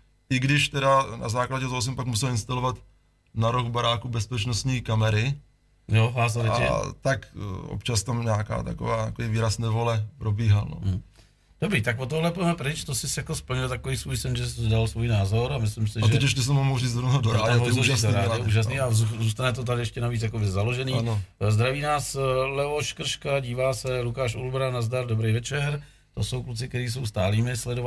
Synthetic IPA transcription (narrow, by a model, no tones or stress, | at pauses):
ʔɪɡdɪʃt̪ɛdana̰zaːklaɟɛt̪oɦos̬ɛmpakmusɛlɪnst̪alovat̪ | naɾoɣbaɾaːkubɛspɛt͡ʃnost̪ɲiːkamɛɾɪ | joɦas̬t̪ɛt̪akʔo̰pt͡ʃast̪amɲɛaka̰ːt̪a̰ko̰vaːt̪akoviːviːɾasnɛvolɛpɾobiːɦalno̰ | d̥obɾiːt̪akvot̪oɦlɛpoɛmɛpɾɪt͡ʃt̪osɪsjakospl̩ɲɪlt̪akoviːsvuːjsɛnʒɛsdalsvuːjnaːzo̞ɾamɪslɪmsɪtʒɛɛɛʃɛs̬ɛmomowriːt͡sd̪onoɦodoɾaoisd̪oɾaɛʔuːʒas̬niːauzuːst̪anɛt̪̬ot̪̬adɪɛʃcɛnaviːt͡sjakobɪzaloʒɛniːnzd̪ɾaviːnaːslɛvoʃkr̩ʃkaɟiːvaːsɛlukaːʃṵlbɾanazdaɾdobɾejvɛt͡ʃɛɾ | t̪o̞so̞wklut͡sɪkt̪ɛɾiːs̬o̞wst̪aːliːmɪslɛdo